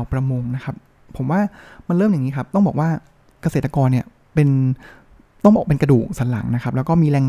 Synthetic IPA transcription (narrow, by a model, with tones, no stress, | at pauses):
pɾa˧mo˧ŋna˦˥kʰa˦˥p̚ | pʰːo˩˦mwaː˥˩ma˧nɾɤː˥˩mja˨˩ŋiː˦˥kʰa˦˥p̚t̪ɔ˥˩ŋbɔː˨˩k̚waː˥˩ | ka˧se˨˩t̪ɾa˧kɔː˧nːi˥˩ɐ | pe˧n | t̪ɔ˥˩ŋbɔː˨˩kpe˧nka˧duː˨˩k̚saː˩˦nla̰˩˦ŋna˦˥kʰa˦˥plːwkɔː˥˩miː˧ɾɛː˧ŋ